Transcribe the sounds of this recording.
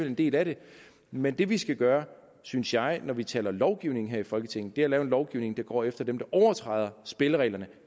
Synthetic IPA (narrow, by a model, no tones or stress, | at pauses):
elend̥e̝̰ːlæɾe̝ | mend̥e̝ʋisɡ̥æɡ̥ɶːɐ | synsjɑ̈ɪnɒʋit͡sʰɛ̰ːlɐlɒʊɡ̥iʊne̝ŋ̩ɦeɐ̰ifɒ̽lɡ̥ət͡sʰe̝ŋ̰n̩d̥e̝ælɛːʊenlɒʊɡ̥iʊne̝ŋd̥ɑ̈ɡ̥ɒ̰ːefd̥ɐd̥emd̥ɑ̈ʔɒʊɐt͡sʰʁɑ̈ɪðˠɐsb̥e̝ləʁɛ̰ːlɐnə